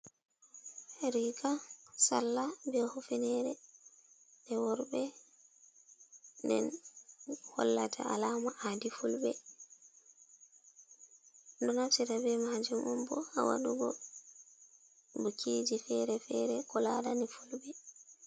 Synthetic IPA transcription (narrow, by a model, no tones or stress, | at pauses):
ɾikasalːabɛhufɛnɛɾɛ | ndɛwɔɾbɛ | ndɛ̰n | hɔ̰lːatʰa̰ʔalaːmaʔadifulbɛ | dɔnafsiɾabɛmaːd͡ʒumɔmbɔa̰wa̰ɗuɡɔ | bukʰiːd͡ʒifɛɾɛfɛɾɛkɔladanɛfulbɛ